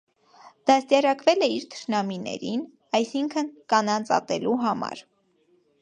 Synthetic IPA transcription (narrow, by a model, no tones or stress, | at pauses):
d̪̥ɑst̪jɑɾɑkvɛlɛiɾt̪ʰə̥ʃnɑminɛ̰ɾin | ɑjsiŋkʰənkɑnɑnt͡sɑ̰t̪ɛluɦɑmɑ̰ɾ